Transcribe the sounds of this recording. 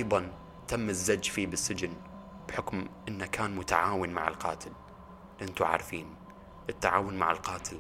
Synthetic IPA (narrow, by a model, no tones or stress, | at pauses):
ʔɑjðˤɑn | t̪amːɪzːad͡ʒːfiːbɪsːɪd͡ʒɪn | bħʊkmʔɪnːakaːnmʊt̪aʕaːwɪnmaʕɪ̰lqɑ̰ːt̪ɪl | lɪʔant̪uʕa̰ːɾfiːn | ʔɪt̪ːaʕaːwʊnmaʕalqɑːt̪ʰɪl